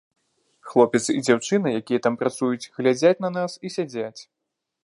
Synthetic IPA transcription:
xlˠɔpʲɛt̪sid͡zʲawt͡ʂɨnɐjakʲijɐt̪ampɾat̪sujut͡sʲɣlʲad͡zʲat͡sʲnɐnasisʲad͡zʲat͡sʲ

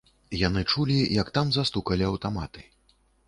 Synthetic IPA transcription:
janɨt͡ʂulʲijɐkt̪amzast̪ukɐlʲiɐwt̪amat̪ɨ̥

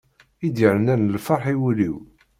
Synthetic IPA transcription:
id̪iʕnænəlfɑɾˤħiwliw

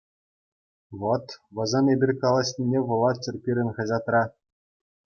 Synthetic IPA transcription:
ʋot̪ʋɤ̆zɤnebʲirʲkɑlˠɑɕʲnʲinʲeʋɤ̆lˠːɑt̪̚t͡ɕɘ̆rʲpʲiɾʲɘ̆nʲχɤ̆ʑɑt̪rɑ

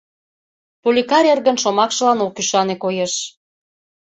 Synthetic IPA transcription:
pulʲikɑɾʲerɣə̆nʃomɑkʃɤ̆lɑnokːyʃɑnekojeʃ

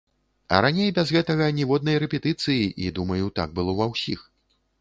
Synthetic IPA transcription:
ɐ̰ɾanʲejbʲɐzɣɛt̪ɐɣɐnʲɛvɔd̪̚nɐjɾɛpʲɛt̪ɨt̪sɨjiʔid̪umɐjut̪a̰ɡ̚bɨlˠɔvawsʲix

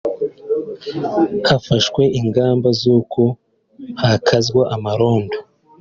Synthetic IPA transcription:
hafaʃwe̞ʔiŋɡaːmbazuːkʰo̞ | hakʰazɡwaʔamaɾo̞ːndo

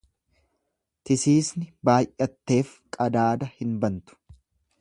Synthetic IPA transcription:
t̪ɪsiːsnɪbaːjʔɐt̪ːe̞ːfkʼɐd̪aːd̪ɐhɪnbɐnt̪ʊ̥

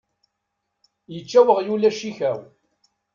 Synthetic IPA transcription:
jət͡ʃːæwəʁjulæʃiçæw

